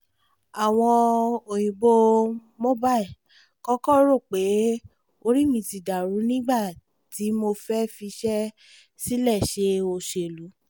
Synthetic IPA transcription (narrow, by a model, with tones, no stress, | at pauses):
a˨w̃ɔ̃˧o˨j̃ĩ˨bo˧ | mo˦ba˦i˨ | kɔ˦kɔ˦ɾo˦˨k͡pe˨˦ | o˧ɾi˦mĩ˧ti˧˨da˨ɾũ˨˦nĩ˦ɡ͡ba˦˨ | ti˨˦mo˧fɛ˦fi˧ʃɛ˦ | si˦lɛ˦˨ʃe˧o˧ʃe˧˨lu˨˦